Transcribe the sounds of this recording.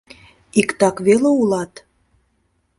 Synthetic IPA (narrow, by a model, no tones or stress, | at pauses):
ikt̪ɑkβeleulɑt̪